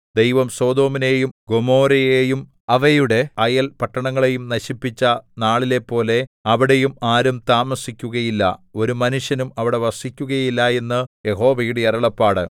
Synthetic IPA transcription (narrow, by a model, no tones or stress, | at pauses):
d̪e̞jʋɐmso̞ːd̪o̞ːmine̞jumɡo̞mo̞ːɾɐjejum | ɐʋɐjuɽe̞ɐjɐlpɐʈːɐɳɐŋːɐɭe̞jumnɐɕipːit͡ɕːɐnaːɭile̞pːo̞ːle̞ɐʋiɽe̞jumaːɾumt̪aːmɐsikʲːuɣɐjilːɐ̰o̞ɾumɐnuʂjɐnumɐʋiɽe̞ʋɐsikʲːuɣɐjilːɐe̞nːɨje̞ɦo̞ːʋɐjuɽeɐɾɐɭɐpːaːɽɨ